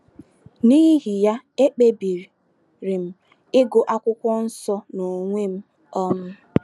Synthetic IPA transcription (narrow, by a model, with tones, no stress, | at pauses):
niː˦ɦi˦ɦi˨ja˦ | e˦k͡pe˦bi˨ɾi˨ | ɾi˨m̩˦ | ɪ˦ɡo˨ʔa˦kʷʊ˦kʷɔ˦n̩˦sɔ˦no˨ŋʷe˦m̩˦ | ɔ˦mʊ˦